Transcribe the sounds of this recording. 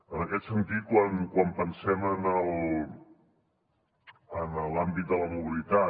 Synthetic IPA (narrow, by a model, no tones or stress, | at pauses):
ənəkɛt̪sənt̪it̪̚kwankwampənsɛmənəlˠ | ənəlambit̪̚d̪ələmuβilit̪a